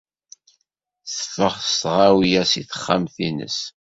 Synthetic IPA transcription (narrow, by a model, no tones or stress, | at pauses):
θə̥fːəʁəst̪ʁawijæsiθə̥χːamθinə̰s